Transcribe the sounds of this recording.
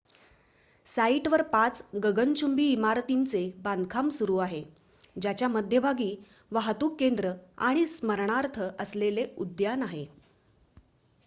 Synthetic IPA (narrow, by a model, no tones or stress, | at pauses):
saiʈʋəɾpat͡sɡəɡənt͡ɕʰumbiːmaɾt̪int͡sebankʰamsuɾuːaɦe | d͡ʑat͡ɕjaməd̪ʱjəbʱaɡiː | ʋaɦt̪uːkːend̪ɾəa̰ɽ̃isməɾɳaɾt̪ʰəʔəsleleud̪janaɦe